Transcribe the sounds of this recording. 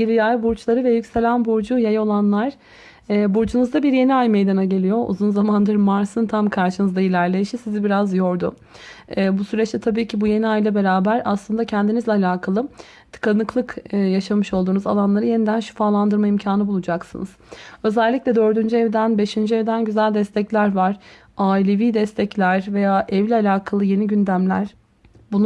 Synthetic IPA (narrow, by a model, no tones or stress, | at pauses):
ɟilijajbuɾt͡ʃlˠaɾɯvɛjycse̞lʲænbuɾd͡ʒujajaolˠanlˠaɾ̥ː | buɾd͡ʒunuzd̪abiɾje̞niajme̞jd̪anaɟe̞lʲijo̞ʔṵzunzamand̪ɯɾmaɾsɯnt̪ʰamkʰaɾʃɯnɯzd̪ailʲæɾlʲejiʃisizibiɾazjo̞ɾd̪ʊ̰ː | busyɾɛt͡ʃt̪ɛt̪ʰabiːcʰibuje̞niajlʲˠabe̞ɾaːbæɾaslˠɯnd̪acʰɛnd̪inizlʲɛalʲaːkʰalˠɯ | t̪ʰɯ̥kanɯklˠɯkːjaʃamɯʃo̞lˠd̪uːnuzalˠanlˠaɾɯje̞nid̪ænʃy̥faːlˠand̪ɯɾmaimcʰaːnɯbulˠud͡ʒaksɯnɯz̥ø̞zɛlʲːicʲlʲɛd̪ø̞ɾd̪ynd͡ʒyɛvd̪ænbe̞ʃind͡ʒyɛvd̪ænɟyzælʲd̪ɛst̪ʰɛclʲæɾvaɾ̥ | aːilʲe̞viːd̪ɛst̪ʰɛclʲæɾve̞jaːʔɛvlʲialʲaːkʰalˠɯje̞niɟynd̪æmlʲæ̰ɾ̥ | bun